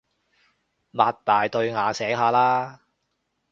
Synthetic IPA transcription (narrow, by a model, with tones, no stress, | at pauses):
maː˨˧t̚t̪aː˨jt̪ɵ˧ɥŋaː˨˧sɛː˨˥ŋɦaː˨˧laː˥